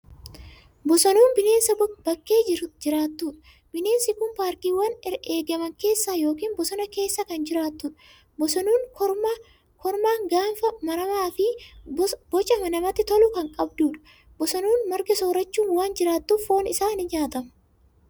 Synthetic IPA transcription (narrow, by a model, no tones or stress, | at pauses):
bɔsɐnuːnbɪne̞ːnsɐbɐkːe̞ːd͡ʒɪɾʊd͡ʒɪɾaːt̪ːuːᶑɐ̥ | b̥ɪne̞ːnsɪkʊmpaːɾkiːwɐnɛeːɡɐmɐŋke̞ːsːaːjo̞ːkiːnbɔsɔnɐke̞ːsːɐkɐnd͡ʒɪɾaːt̪ːuːᶑɐ̥ | bɔsɐnuːŋɔ | kɔɾmaːŋɡaːfɐmɐnɐmaːfɪ | bɔt͡ʃʼɐmɐnɐmɐt̪ːɪt̪ɔlʊkɐŋkʼɐbd̪uːᶑɐ̥ | bɔsɐnuːnmɐɾɡɐsoːɾɐt͡ʃːuːwaːnd͡ʒɪɾaːt̪ːuːfo̞ːnɪsaːnɪd͡ʒaːt̪ɐmɐ̥